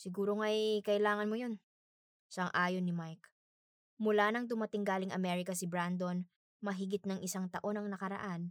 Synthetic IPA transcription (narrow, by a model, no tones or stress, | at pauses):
sɪɡuːɾoŋajkɐʔɪlaːŋɐnmojo̞n | ʃɐɐŋʔaːjonːɪmajk | mʊlanɐŋd̪ʊmɐt̪ɪŋɡaːlɪŋʔɐ̰mɛɾɪkɐsɪbɾand̪o̞n | mɐɦɪɡɪt̪̚nɐŋʔɪsaŋt̪ɐʔo̞nɐŋnɐkɐɾɐ̰ʔan